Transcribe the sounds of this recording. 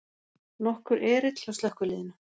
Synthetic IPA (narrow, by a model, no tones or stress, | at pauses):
nɔhkʏɾʔɛːɾɪt̪lawst̪lɛhkʏliːðɪna